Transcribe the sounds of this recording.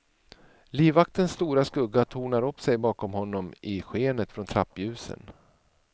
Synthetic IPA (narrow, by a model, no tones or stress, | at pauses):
liːvak̚t̪ənst̪uːɾaskɵɡːat̪ʰuːɳaɾɵpːsɛjbɑːkɔmhɔnːɔmʔɪɧeːnət̪fɾɔnt̪ʰɾa̰pːjʉ̟ːsə̰n